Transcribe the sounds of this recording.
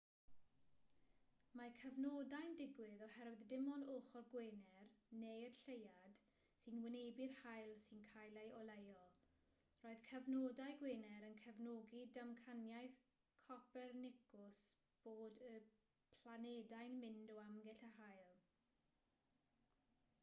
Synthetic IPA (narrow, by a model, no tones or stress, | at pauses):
makʰəvnodajndɪɡwɪðɔhɛɾwɪðdɪmɔnʊlˠχɔrɡweːnɛrnejərɬejad̥ | sɨnwɪnejbɪrhajlˠsɨnkʰajlˠeʔɔlˠejɔlˠ | roːɨð̥kʰəvnodajɡweːnɛɾənkʰəvnoːɡidəmkʰanjajθ | kʰɔpɛrnɪkʊsb̥oːdə | pʰlˠanɛdajnmɪndɔamɡɛɬaɦajlˠ